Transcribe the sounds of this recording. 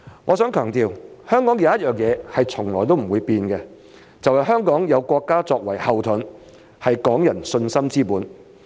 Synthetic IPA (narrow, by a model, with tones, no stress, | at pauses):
ŋʔɔː˨˧sœː˨˥ŋkʰœː˨˩ŋt̪iː˨whœː˥ŋkɔː˨˥ŋjɐ˨˧˦jɐ˥t̚jœː˨ŋjɛː˨˧hɐ˨jt͡sʰʊ˨˩ŋlɔː˨˩jt̪o˥wm̩˨˩wuː˨˧jpiː˧nkɛ˧ | t͡sɐ˨whɐ˨jɦœː˥ŋkɔː˨˥ŋjɐ˨˧wkʷɔː˧kːaː˥t͡sɔː˧k̚wɐ˨˩jhɐ˨wt̪ʰʊ˨˥n | hɐ˨jkɔː˨˥ŋjɐ˨˩nsɵ˧nsɐ˥mt͡siː˥puː˨˥n